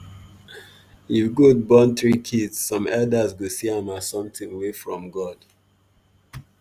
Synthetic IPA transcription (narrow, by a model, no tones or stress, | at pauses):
ifɡud̚bɔ̃nt̪ɹikʰidsːɔ̃mɛldazɡosiãmasɔ̃mtĩŋwefɹɔ̃mɡɔd̥